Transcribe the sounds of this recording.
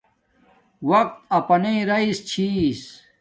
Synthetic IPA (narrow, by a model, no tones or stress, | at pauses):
wɐq̚t̪ɐpɐneɾɐist͡ɕʰis